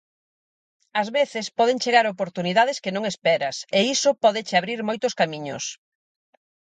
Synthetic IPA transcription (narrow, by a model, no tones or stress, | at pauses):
ɐzβeθɪspɔðeŋt͡ʃeɣaɾopoɾt̪uniðaðɪskenõŋespɛɾɐseisʊpɔðɪt͡ʃɪaβɾiɾmojt̪ʊskamĩɲo̰s